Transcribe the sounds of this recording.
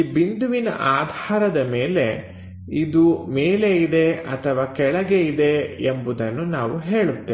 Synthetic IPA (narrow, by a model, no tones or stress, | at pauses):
bind̪uʋinɐ̰ʔaːd̪ʱaːɾɐd̪ɐmeːle̞ | id̪umeːle̞id̪e̞ɐt̪ʰɐʋaːkɛɭɐɡeid̪e̞embud̪ɐnːunaːʋuɦe̞ːɭut̪ːeː